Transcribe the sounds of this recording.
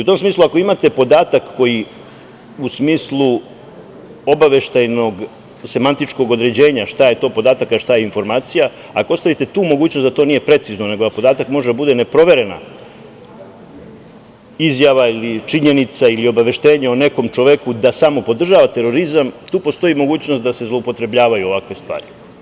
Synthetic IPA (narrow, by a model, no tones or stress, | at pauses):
iut̪o̞msmiːslˠuako̞imat̪e̞po̞d̪aːt̪akːo̞ji | usmiːslˠu | o̞baʋe̞ʃt̪ajno̞ɡ | se̞mant̪it͡ʂko̞ɡo̞d̪ɾe̞d͡ʑe̞ːɲaʃt̪aje̞t̪o̞ːpo̞d̪aːt̪akaʃt̪aje̞info̞ɾmaːt̪sija | akoost̪aʋit̪e̞t̪uːmo̞ɡuːt͡ɕnosat̪o̞ːnije̞pɾe̞t̪sizno̞ne̞ɡod̪apo̞d̪aːt̪akmo̞ʒed̪abud̪e̞ne̞pɾo̞ʋe̞ɾe̞na̰ | izjaʋailit͡ʂiɲe̞nit̪sailio̞baʋe̞ʃt̪e̞ːɲaone̞ko̞mt͡ʂoʋekud̪asamo̞po̞d̪r̩ʒaːʋat̪e̞ɾo̞ɾizamt̪uːpost̪o̞imo̞ɡuːt͡ɕnost̪̚d̪ase̞zlˠo̞upo̞t̪ɾe̞bʎaːʋajuo̞ʋakʋe̞st̪ʋa̰ːɾi